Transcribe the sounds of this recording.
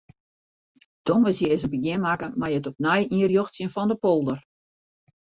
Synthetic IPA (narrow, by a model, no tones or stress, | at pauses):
toŋəsjəɪzəbəɡɪmakəmajətɔp̚najiərjoxtsjənfɔndəpolˠdər